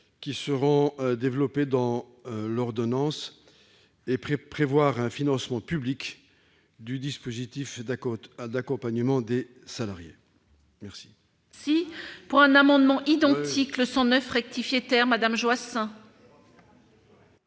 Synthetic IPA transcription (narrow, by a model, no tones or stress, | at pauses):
kʲisəʁɔ̃d̪evlɔped̪ɑ̃ | lɔʁd̪ɔnɑ̃s | epχevwaʁɛ̃finɑ̃smɑ̃pyblik | d̪yd̪ispozit̪if | d̪akɔ̃paɲəmɑ̃d̪e | salaʁje | mɛʁsi̥ | sipuʁɛ̃namɑ̃d̪mɑ̃ʔid̪ɑ̃t̪ikləsɑ̃nœfʁɛk̚t̪ifjet̪ɛʁmad̪amʒwasɛ̃